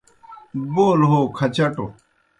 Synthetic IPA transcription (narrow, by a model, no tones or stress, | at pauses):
boːlɦoːkʰɐt͡ɕɐʈo